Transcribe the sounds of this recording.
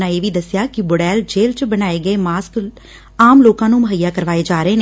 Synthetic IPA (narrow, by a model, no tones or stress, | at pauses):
nãeːʋiːd̪əsjaːkɪboɽɛːld͡ʒeːlt͡ʃbənaːeːɡəeːmaːsk | aːmloːkãːnũːməɦəjːaːkəɾʋaːeːd͡ʒaːɾəeːneː